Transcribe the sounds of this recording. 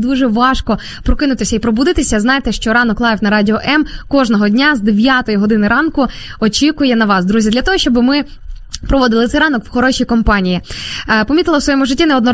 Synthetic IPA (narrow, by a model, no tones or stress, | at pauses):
d̪uʒɛʋɑʃkɔ | pɾɔkɪnʊt̪ɪsʲɐipɾɔbud̪ɪt̪ɪsʲɐznɑjt̪ɛʃt͡ʃɔɾɑnɔklˠɑjʋwnɐɾɑdʲɪɔʔɛmkɔʒnɔɦɔdʲnʲazd̪eʋʲjat̪ɔjiɦɔd̪ɪnɪɾɑnkʊɔt͡ʃʲikʊjɛnɐʋɑsd̪ɾuzʲid̪lʲɐt̪ɔɦɔʃt͡ʃɔbɪmɪ | pɾɔʋɔd̪ɪlˠɪt̪sɛjɾɑnɔkwxɔɾɔʃʲijkɔmpɑnʲijipɔmʲit̪ɪlˠɐwsʋɔjɛmʊʒɪtʲːinɛɔd̪nɔ